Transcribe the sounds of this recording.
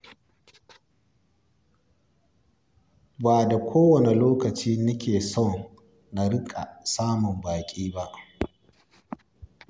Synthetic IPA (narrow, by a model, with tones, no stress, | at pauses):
baː˨da˨kʷʰoː˦wɐ˨ne˨loː˦kɐ˨t͡ʃiː˦nʊ˦kʲeː˨sɔ˦˨ | na˨ɽɪ˦kʼa̰˨saː˦mʊ˨mbaː˨kʲʼiː˦ba˦ʔ